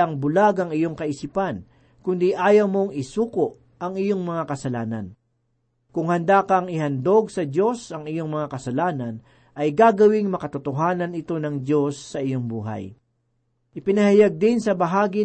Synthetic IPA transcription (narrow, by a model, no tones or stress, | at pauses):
ɐŋbʊlaɡɐŋɪjo̞ŋkɐʔisipan | kʊnd̪iʔaːjɐwmo̞ŋɪsuːkoʔ | ɐŋɪjo̞ŋmɐŋakɐsɐlaːnɐ̰n | kʊŋhɐnd̪akɐŋɪhɐnd̪o̞ɡsɐdo̞sʔɐŋɪjo̞ŋmɐŋakɐsɐlaːnɐn | ʔɐjɡaːɡɐwɪŋmɐkɐt̪ʊt̪oɦaːnɐnɪt̪o̞nɐŋdjo̞sːɐʔɪjoŋbṵːɦɐ̰j | ʔɪpɪnɐhajaɡ̚d̪ɪnsɐbɐɦaːɡɪ